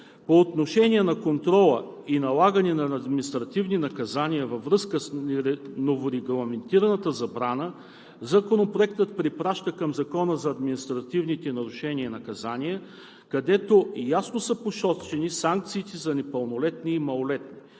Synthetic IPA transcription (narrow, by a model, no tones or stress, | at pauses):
poːt̪noʃɛnʲiɛnɐkont̪ɾɔlˠəinɐlˠaɡənɛnɐːd̪minist̪ɾɐt̪ivninɐkɐzaniɐvɐvɾɤskəsɾɛnovoɾɛɡlˠɐmɛnt̪iɾɐnɐt̪əzɐbɾanə | zɐkonopɾoɛkt̪ət̪̚pɾipɾaʃt̪əkɐmzɐkɔnəzɐːd̪minist̪ɾɐt̪ivnit̪ɛnɐɾuʃɛniinɐkɐzanʲiə | kɐd̪ɛt̪ojasnosəpoʃɔst͡ʃɛnisaŋk̚t̪siːt̪ɛzɐnɛpəlˠnolɛt̪niːmɐlˠolɛt̪̚ni